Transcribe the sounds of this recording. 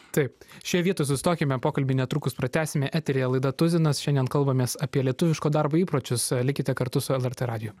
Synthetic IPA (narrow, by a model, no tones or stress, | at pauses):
t̪ɐɪpʃʲijɛʋʲiɛt̪oːjs̬ʊsʲɪ̥t̪oːkʲɪmʲɛpoːkɐlʲbʲɪnʲɛt̪ɾuːkʊspɾɐt̪ʲæːsʲɪmʲɛʔæːt̪ʲɛɾʲɪjɛlˠɐɪd̪ɐt̪ʊzʲɪnɐsʃʲɛnd̪ʲiɛnkɐlˠbɐmʲeːsɐpʲiɛlʲiɛt̪ʊʋʲɪʃkoːd̪ɑɾboːiːpɾoːt͡ʃʲʊslʲɪkʲɪt̪ʲɛkɐɾt̪ʊsʊɛlˠɛɾt̪eɾɑːd̪ʲɪjʊː